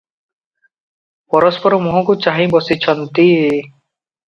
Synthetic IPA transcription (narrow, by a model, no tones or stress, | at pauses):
pɔɾɔspɔɾɔmuɦɔ̃kut͡ʃaɦĩbɔsit͡ʃʰɔnt̪i